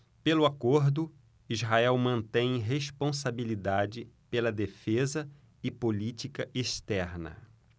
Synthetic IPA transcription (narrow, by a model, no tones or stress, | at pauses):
pelʊakoɾd̪ʊ | izɦaɛwmɐ̃nt̪ẽj̃ɦeʃpõsabilid̪ad͡ʒɪpelɐd̪efezɐ | ɪpolit͡ʃikɐʔeʃt̪ɛɾnɐ̰